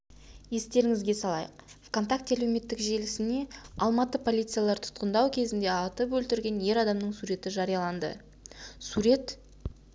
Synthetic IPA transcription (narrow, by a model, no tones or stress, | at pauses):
je̞st̪e̞ɾɪŋɪzɡʲe̞sɑlˠɑ̰jəq̚fko̞nt̪ak̚t̪ælewme̞t̪ːɪkʒe̞lɪsɪne̞ɑlˠmɑt̪əpʰo̞lʲijt̪sɨjalˠɑɾt̪ʰʊ̥t̪qənd̪ɑwkʲʰe̞zɪnd̪e̞ɑt̪əpwɵlt̪ɪɾɡʲe̞nje̞ɾɑd̪ɑmnəɴsuɾe̞t̪ɪʒɑɾijɑlˠɑnd̪ə̰ | suɾe̞t̪